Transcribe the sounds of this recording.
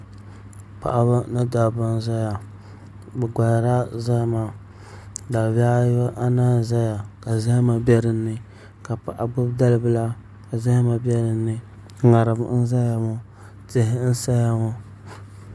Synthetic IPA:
pa̰˨ʔa˨ba˦nɨ˦da˨ba˦n˦za˦ja˨ | bɛ˨ɡa˨jɾa˦za˦ma˨ | da˨wa˦jo˦ʔa˦naː˦za˦ja˨ka˨za˦ma˨bɛ˦ɾɨ˦nːɨ˨ | ka˨pa˨ʔa˨ɡ͡bʊ˦bda˦lɨ˦bɨ˦la˦ | ka˨za˦hma˨bɛ˦ɾɨ˨nːɨ˨ | ŋa˨ɾɨ˨b̰n̩˦za˦ja˨mʊ˦ | tɪ˦ɦɪ˦n̩˦sa˦ja˨mʊ˦

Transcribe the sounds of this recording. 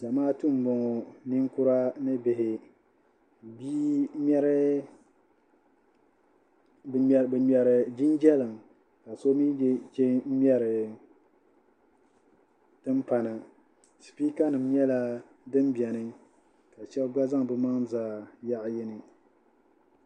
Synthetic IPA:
d͡ʒa˨maː˦tu˦m̩˨˦bɔ˨ŋɔ˨ni˦ŋkʊ˦ɾa˦nɨ˦bɪ˨ɦɪ˨ | biː˦m˦ɛ˦ɾɨ˦˨ | bɛ˨mɛ˨ɾɨ˨d͡ʒi˦nd͡ʒɛ˦lɨ˨ŋ | ka˨so˦mi˦t͡ʃe˦m̩˦mʲ˦ɛ˦ɾɨ˨ | tɨ˦mpa˨na˨ | si̥˨pi˦ka˦nɨ˨mjɛ˦la˦ | dɨ˦mbɛ˨nɨ˦ | ka˨ʃɛ˦lɡ͡ba˦za˦ŋbɨ˦ma˦ŋzaː˨ja˦ʔjɪ˦nɨ˨

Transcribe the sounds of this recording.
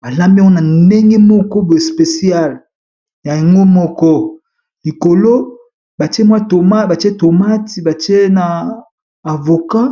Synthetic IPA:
ba˨la˦mbi˦wɔ˦na˨nde˦ŋɡe˦mɔ˦kɔ˦bo˨e˨spe˨si˦a˦˨l | ja˨ja˨ŋɡo˦mɔ˦kɔ˦ | li˨ko˨lo˦ | ba˨ti˦e˦mwa˦to˨ma˦ba˨te˦to˨ma˦ti˨ba˨ti˦e˦naː˨ | vo˨ka˦

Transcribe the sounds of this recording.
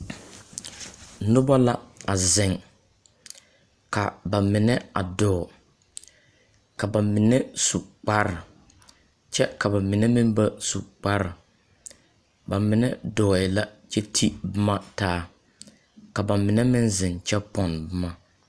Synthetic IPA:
nʊ˦ba˦la˦a˨zɪ˨ŋ | ka˨ba˨mɪ˨nɛ˦a̰˨dɔː˨ | ka˨ba˨mɪ˨nɛ˦su˨k͡pa˦ɾɪ˨ | t͡ʃɛ˦ka˨ba˨mɪ˨nɛ˦mɪ˦m˦ba˦su˨k͡pa˦ɾɪ˨ | ba˨mɪ˨nɛ˦dɔː˨ɪ˨la˦t͡ʃɛ˦tʰi˦bɪ˦ma˦taː˦ | ka˨ba˨mɪ˨nɛ˦mɪ˦nzɪ˨nt͡ʃɛ˦pɔ˨nbɪ˦ma˦

